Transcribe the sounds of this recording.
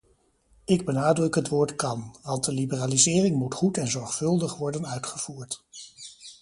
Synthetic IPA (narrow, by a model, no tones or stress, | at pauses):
ɪɡ̚bənaːdrɵkɦətʋʊːɹtkɑnʋɑntdəlibəraːlizɪːrɪŋmutχutɛnzɔɹχfɵlˠdəχʋɔɹdənœɥtχəv̥uːɹt